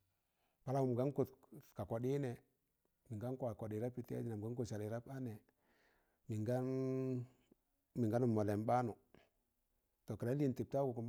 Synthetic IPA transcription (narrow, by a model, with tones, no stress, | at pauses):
pa˦la˦wu˦˨m˨ɡa˦nko˦˨tka˨ko˨di˦nɛ˨ | mi˨ŋɡa˦ŋko˦a˨ko˨di˨ɾa˦pi˨ti˦a̰˦di˦na˨m˨ɡa˦ŋko˦˨sa˨li˨ɾa˦pa˦ne˨ | mi˨ŋɡa˦n | mi˨ŋɡa˦nu˨mːo˨le˨mba˦nu˨ | to˨ka˨la˦li˦˨nti˨p̚ta˦ku˨ku˨m